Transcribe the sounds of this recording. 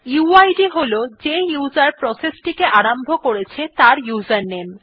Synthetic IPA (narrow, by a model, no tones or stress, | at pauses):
juajɖiɦolod͡ʑejuzaɾpɾɔsesʈikeʔaɾambʱokoɾet͡ɕʰet̪aɾjuzaɾnem